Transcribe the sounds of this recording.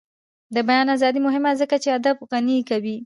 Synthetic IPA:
d̪əbajɑnazɑd̪imʊɦɪmazəkat͡ʃead̪abɣanikawi

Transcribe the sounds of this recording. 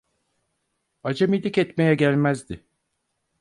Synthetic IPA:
ad͡ʒamilʲːicɛt̪me̞jɛɟælʲmæzd̪ɪ

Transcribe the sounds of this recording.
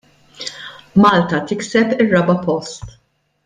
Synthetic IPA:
mɐːlt̪ɐt̪ɪksɛpɪrːɐbɐpɔst̪

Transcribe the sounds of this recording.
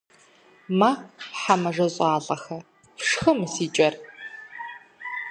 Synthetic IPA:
maːħamɐʐɐɕʼɑːɮʼɐxɐ | fʂxɐmɨsiːt͡ʃʼɐr

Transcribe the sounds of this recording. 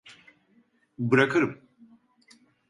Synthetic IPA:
bɨɾɐkʰɨɾɨm

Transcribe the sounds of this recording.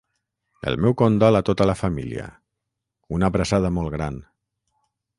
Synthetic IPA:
ə̰lˠmɛwkond̪ɔlat̪ot̪əlafamilḭə̰ | unaβɾasað̞əmɔlˠɣɾan

